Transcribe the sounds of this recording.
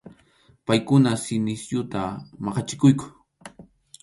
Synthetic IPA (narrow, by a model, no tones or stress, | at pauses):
pajkʊnasɪnɪsjʊt̪amɑqɑt͡ʃɪ̥kʊjkʊ̥